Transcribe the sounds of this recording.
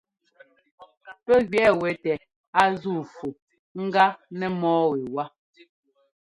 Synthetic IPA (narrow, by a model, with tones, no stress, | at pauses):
pɛ˦ɡɥɛ˨˦wɛ˨tɛ˨ | a˦zu˦˨fu˨ | ŋ̩˦ɡa˦nɛ˦mɔː˦ɣe˨wa˦